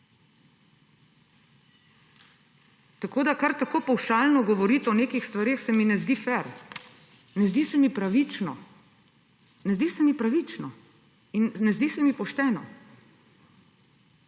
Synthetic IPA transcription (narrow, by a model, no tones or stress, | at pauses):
t̪akoːd̪akaɾt̪akoːpɐwʃaːlnɔɡɔʋɔɾiːt̪ɛɔneːkixst̪ʋaɾexsɛminɛzd̪iːfɛɾ | nɛzd̪iːsɛmipɾaʋit͡ʃnɔ̰ | nɛzd̪isɛmipɾaʋit͡ʃnɔ | inːɛzd̪iːsɛmipɔʃt̪ɛːnɔ